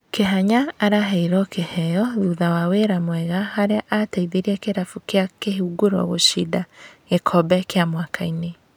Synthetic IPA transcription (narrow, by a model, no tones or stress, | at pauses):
keɦaɲaːɾaɦɛiɾɔkehɛjɔðuðawaweɾamwɛɣahaɾeaʔataiðeɾiakeɾafukjakeɦuɡoɾɔ̰ɣoʃidaɣekʰɔbɛkeamwakʰaine